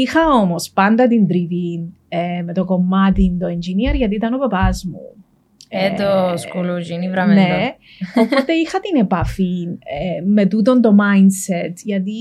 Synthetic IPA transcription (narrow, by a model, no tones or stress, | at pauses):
ixɐomospɐnd̪ɐt̪ind̪ɾivin | emet̪o̞ko̞mːɐt̪int̪oend͡ʒiniɐɾʝɐt̪̬iːt̪ɐnopɐpɐzmṵ | et̪oskulud͡ʒinivɾɐmne | opot̪eixɐt̪inepɐfineme̞t̪ut̪̬ont̪o̞mɐjnset̪ʝɐt̪i